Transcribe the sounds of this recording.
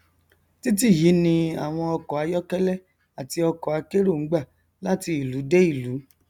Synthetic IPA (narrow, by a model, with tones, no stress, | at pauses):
ti˦t̬i˦˨ji˨˦nĩ˧a̰˨w̃ɔ̃˧ɔ˧kɔ˨a˨˧˦jɔ˦kɛ˦lɛ˦ | a˨ti˧ɔ˧kɔ˨a˨˦ke˦ɾo˦˨ŋ̩˨˦ɡ͡ba˦˨ | la˦ti˧i˨lu˨˦de˦i˦˨lu˨˦